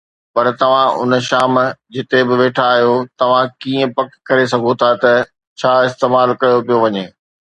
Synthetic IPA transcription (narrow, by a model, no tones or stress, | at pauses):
pɐɾt̪ɐʋ̤ãʊ̰nʃaːmd͡ʑɪt̪ebɪʋeːʈʰaːɦjot̪ɐʋ̤ãkiːə̃pɐkkːɐɾesɐɡʱot̪ʰat̪ɐ | t͡ɕʰaːɪst̪eːmaːlkɐjopijoʋɐɲeː